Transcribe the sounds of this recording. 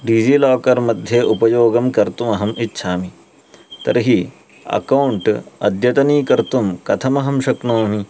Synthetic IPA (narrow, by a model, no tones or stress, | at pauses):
ɖiːd͡ʒilɔːkɐɾmɐd̪ʱjɐʔupɐjoːɡɐmkɐɾt̪umɐɦɐmitːʃʰaːmi | t̪ɐ̰ɾɦi | ɐ̰kɐwɳʈɐ̰d̪ʱjɐt̪ɐniːkɐɾt̪umkɐt̪ʰɐmɐɦɐmʃɐknoːmi